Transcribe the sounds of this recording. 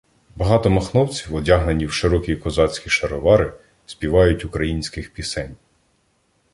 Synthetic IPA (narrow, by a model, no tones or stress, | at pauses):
bɐɦɑt̪ɔmɐxnɔwt͡sʲiwɔdʲaɦnenʲiwʃɪɾɔkikɔzɑt͡sʲkʲiʃɐɾɔʋɑɾɪ | spʲiʋɑjʊtʲʊkɾɐjinʲsʲkɪxpʲisɛnʲ